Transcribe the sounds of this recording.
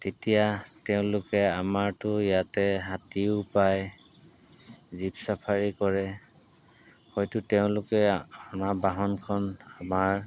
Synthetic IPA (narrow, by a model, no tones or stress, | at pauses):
tetijatɛʊ̃lʊkɛamaɹtʊjatɛɦatiʊpaj | zipsapʰaɹikɔɹɛ | hɔjtʊtɛʊ̃lʊkɛɔnabaɦɔnkʰɔnamaɹ